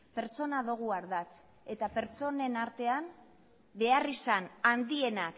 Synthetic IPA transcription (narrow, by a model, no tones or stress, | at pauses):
pe̞ɾt͡so̞naðoɣ̞uaɾðat͡s | e̞t̪ape̞ɾt͡so̞ne̞naɾt̪e̞am | be̞arisanand̪ie̞nak